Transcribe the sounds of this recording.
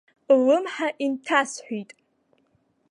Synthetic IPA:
wɨmħaʔintʰasħʷitʼ

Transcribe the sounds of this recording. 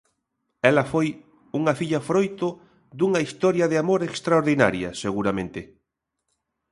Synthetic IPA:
ɛlɐfoj | uŋɐfiʎɐfɾojt̪ʊ | ðuŋɐist̪ɔɾjɐðɪamoɾekst̪ɾaoɾðina̰ɾjɐ̰seɣuɾɐmẽnt̪ɪ

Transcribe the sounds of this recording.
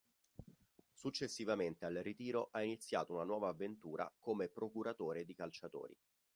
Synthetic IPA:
sut͡ʃːesːivament̪ealrit̪iːɾoʔainit̪sːja̰ːt̪ounanwɔːvaːvːent̪uːɾʔa̰komepɾokuɾat̪oːɾed̪ikalt͡ʃat̪o̰ːɾḭ

